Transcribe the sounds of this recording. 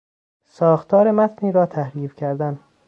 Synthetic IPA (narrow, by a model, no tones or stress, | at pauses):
sɒːxt̪ʰɒːɾemæt̪ʰniːɾɒːt̪ʰæhɾiːfkʰæɾd̪æn